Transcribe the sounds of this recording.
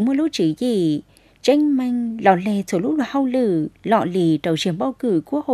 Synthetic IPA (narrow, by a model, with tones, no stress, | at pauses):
mu˧ə˧lu˧˥t͡ɕi˨˦zi˧˨˩ | t͡ɕa˧jŋ̟ma˧˨jŋ̟lɔ̰˨˩le˧˨˩so˨˦lʊ˦˥laː˨˩ha˧wlɨ˧˩lɔ̰˧˨li˨˦tə˨˩wt͡ɕi˨˦ənɓaː˧wkɨ˧˩˦ku˦ək̚ho̰˧˨